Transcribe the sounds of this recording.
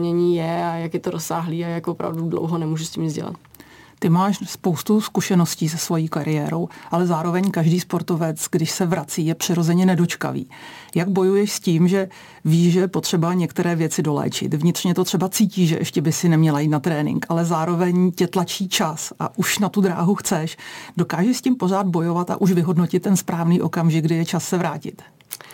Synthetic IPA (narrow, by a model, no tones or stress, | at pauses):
ɲɛɲiːjɛajakjɛt̪oɾosaːɦliːajakvopɾa̰vdudlo̰wɦonɛmuːʒusciːmzɟɛ̰la̰t̪ | t̪ɪmaːʃspo̞wst̪uskuʃɛno̞sciːsɛsvo̞jiːkaɾɪjɛːɾo̞wʔalɛzaːɾo̞vɛɲkaʒdiːspo̞ɾt̪o̞vɛt͡sɡdɪʃsɛvɾat͡siːjɛpr̝̥ɪɾo̞zɛɲɛnɛdo̞t͡ʃka̰vḭː | jaɡ̚bo̞jujɛʃsciːmʒɛ | viːʒɛjɛpot̪r̥ɛbaɲɛkt̪ɛɾɛːvjɛt͡sɪdo̞lɛ̰ːt͡ʃɪ̰t̪vɲɪt̪r̝ɲɛt̪o̞t̪r̥ɛbat͡siːciːʒɛ̰ʔɛʃcɛbɪsɪnɛmɲɛlajiːt̪nat̪ɾɛːnɪ̰ŋkʔalɛzaːɾo̞vɛɲcɛt̪lat͡ʃiːt͡ʃasʔa̰ʔuʃnat̪ud̪ɾa̰ːɦuxt͡sɛʃdo̞kaːʒɛscɪmpo̞raːd̪̚bo̞jo̞vat̪a̰ʔuʃvɪɦo̞dno̞cɪt̪̚ːɛnspɾaːvniːʔo̞kamʒɪɡdɪjɛt͡ʃasːɛvɾaːcɪ̰t̪